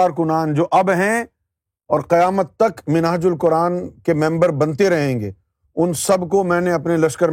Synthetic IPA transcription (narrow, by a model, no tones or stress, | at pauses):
aːɾkʊnaːnd͡ʒoːʔɐbɦɛ̃ | ɔːɾqɐjaːmət̪ːɐkmɪnaːd͡ʒʊlkʊɾaːnkemɛ̃mbəɾbɐ̃nt̪eɾɐɦẽːŋɡeː | ʊnsɐbkomɛ̃ːneɐpnelɐʃkəɾ